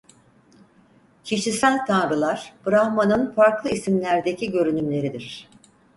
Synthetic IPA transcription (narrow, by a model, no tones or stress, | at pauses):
cʰiʃisælʲt̪ʰanɾɯlˠaɾ̥b̥ɯɾahmanɯnfaɾklˠɯisimlʲæɾd̪e̞cʰiɟø̞ɾynymlʲe̞ɾid̪iɾ̥